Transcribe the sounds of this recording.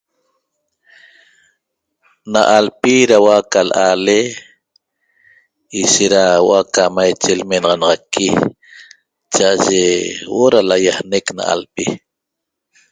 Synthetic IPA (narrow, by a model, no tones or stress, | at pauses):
naʔalpiɾawakalʔale | iʃeɾaw̰akamajt͡ʃelmenɑʁɑnɑʁɑkːi | t͡ʃaʔaʒewoɾalajahnekna̰ʔa̰lpi